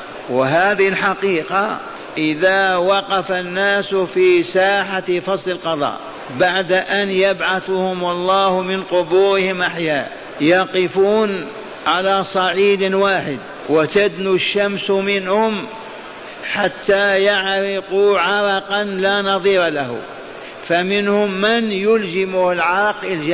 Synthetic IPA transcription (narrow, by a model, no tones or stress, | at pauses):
waɦaːðɪhɪlħaqiːqa | ʔɪðawɑqɑfanːaːsfiːsaːħafɑsˤlɪlqɑðˤɑ̰ːʔ | baʕd̪ʔanjabʕaθʊhʊmɑlˤːɑːhmɪnqʊbuːɾɪhɪmʔaħjaː | jɑqɪfuːn | ʕalasˤɑʕiːd̪waːħɪd̪ | wat̪ad̪nuʃːamsmɪnhʊm | ħat̪ʰːajaʕɾɪquʕɑɾˤɑqɑnlaːnɑðˤiːɾˤɑlahʊ̰ | famɪnhʊmːɪnjʊld͡ʒɪmʊhɪlʕɑqʔɪld͡ʒa